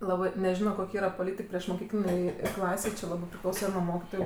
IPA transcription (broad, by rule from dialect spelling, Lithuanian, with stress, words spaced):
ˈlˠɑːbɜ nʲɛˈʒʲɪnoː ˈkoːkʲ ˈiːrɐ poːˈlʲiːtʲɪk pʲrʲiɛʃmoːˈkʲiːklʲɪnʲeːj ˈklˠɑːsʲeːj t͡ʃʲɪ ˈlˠɑːbɜ pʲrʲɪˈklˠɐʊsɐ nʊ ˈmoːkʲɪtoːjʊ